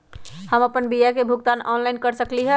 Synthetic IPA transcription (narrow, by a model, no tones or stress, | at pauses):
həməpənbijakebʱuɡt̪anɔnlajnkəɾsəkliɦə